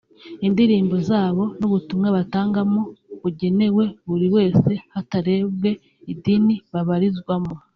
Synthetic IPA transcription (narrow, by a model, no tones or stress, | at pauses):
indiɾiːmbo̞zaːβo̞nuβutumŋaβataːŋɡamoβuɟe̞ne̞we̞βuɾiwe̞ːse̞hataɾe̞ːβɡe̞ | idiniβaβaɾizɡwamo